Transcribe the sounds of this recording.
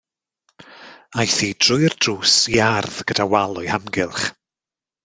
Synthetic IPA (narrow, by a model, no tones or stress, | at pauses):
ajθiːd̥rʊjrd̥ruːsiarðɡ̥ədawalˠʊjhamɡɪlˠχ